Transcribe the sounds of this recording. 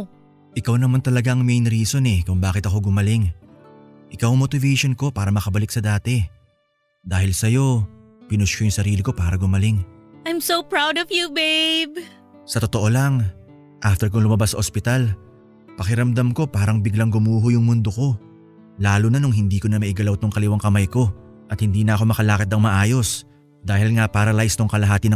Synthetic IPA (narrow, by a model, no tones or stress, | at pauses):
ʔɪkawnɐmant̪ɐlɐɡaʔɐŋmejnɾiːso̞nɛkʊŋbaːkɪt̪ɐko̞ɡʊmɐlɪŋ | ʔɪkawɐŋmot̪ɪvɛjʃo̞nko̞paːɾɐmɐkɐbɐlɪk̚sɐd̪aːt̪ɛ | d̪aːhɪlsɐjo̞ | pɪnʊskojʊŋsɐɾiːlɪko̞paːɾɐɡʊmɐlɪŋʔajmsoʊpɹawdɔvjubeɪb | sɐt̪ot̪oʔo̞lɐŋ | ʔaft̪ɛɾk̬ʊŋlʊmɐbasːɐʔospɪt̪al | pɐkɪɾɐmd̪ɐmko̞paːɾɐŋbɪɡlɐŋɡʊmuːɦʊjʊŋmʊnd̪oko̞ | laːlunɐnoŋɦɪnd̪iːko̞nɐmɐʔɪɡɐlawt̪oŋkɐlɪwaŋkɐmajko̞ | ʔɐt̪hɪnd̪iːnɐʔɐko̞mɐkɐlaːkɐt̪ːɐŋmɐʔaːjo̞s | d̪aːhɪlŋapaːɾɐlajɪst̪oŋkɐlɐɦaːt̪ɪnɐ